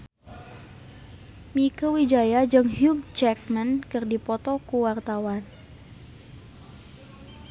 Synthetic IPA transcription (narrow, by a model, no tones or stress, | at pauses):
mikəwid͡ʒajad͡ʒɨŋhjuɡ̚t͡ʃɛk̚mənkɨrdipɔt̪ɔkuwart̪awan